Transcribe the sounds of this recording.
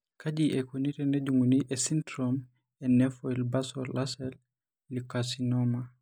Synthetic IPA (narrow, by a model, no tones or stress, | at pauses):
kad͡ʒiʔɛkuniɾɛnɛd͡ʒuŋɡuniʔɛsintɾɔm | ɛnɛfɔilbasɔlʔasɛl | lːikasinɔma